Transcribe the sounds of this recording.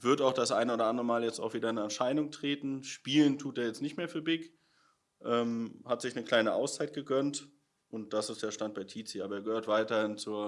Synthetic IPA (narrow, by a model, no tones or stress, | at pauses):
vʏɐtaʊxd̥asʔaɪnəoːdɐʔandʁəmaːljɛt͡sta̰ʊxviːdɐɪnɛɐʃaɪnʊŋtʁ̥eːtn̩ʃpiːləntʰuːteːɐjɛt͡stnɪçtmeːɐfyːɐbɪk | ʔɛːmhatz̥ɪçnəkl̥aɪnəʔa̰ʊst͡saɪt̚ɡ̥əɡœnt | ʔʊnt̚d̥asɪstd̥eːɐʃtant̚b̥aɪtʰiːt͡siʔaːbɐeːɐɡəhøːɐtv̥aɪtɐhɪnt͡suːɐ